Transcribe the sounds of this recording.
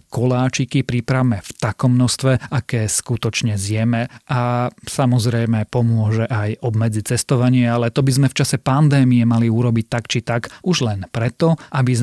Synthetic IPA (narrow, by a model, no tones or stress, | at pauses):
kɔlaːt͡ʃikipɾipɾaʋmɛft̪akɔmːnɔst̪ʋɛʔakɛːskut̪ɔt͡ʃɲɛzɪɛmɛʔasamɔzɾɛjmɛpɔmʊɔʒɛʔajɔbmɛd͡zit͡sɛst̪ɔʋaɲɪɛalɛt̪ɔbizmɛft͡ʃasɛpand̪ɛːmiɛmaliuɾɔbic̚t̪akt͡ʃit̪akuʒlɛnpɾɛt̪ɔʔabiz